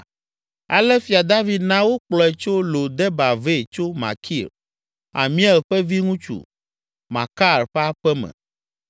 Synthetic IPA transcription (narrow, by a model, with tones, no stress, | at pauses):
a̰˨lɛ˦fi˨a˨d̪a˦vi˨d̪nã˦wo˦k͡plɔ˨ɛ˨t͡ʃo˦lo˨d̪ɛ˦ba˨ve˦˨t͡ʃo˦mã̰˨kʰi˦˨ɾ | a̰˨mĩ˦a˦˨ɸɛ˦vi˦ŋũ˦t͡ʃṵ˨ | mã̰˨ka˦˨ɾɸɛ˦a˦ɸɛ˦mɛ̰̃˨